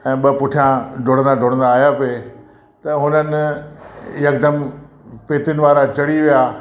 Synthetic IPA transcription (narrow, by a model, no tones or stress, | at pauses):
ɛ̃ːɓɐpʊʈʰijãɖʱʊɽə̃nd̪aɖʱʊɽə̃nd̪aːjape | t̪ɐɦʊnənɪ | jɐk̚d̪əm | peːt̪ɪnɪ̆ʋaːɾat͡ɕɐɽiʋijaː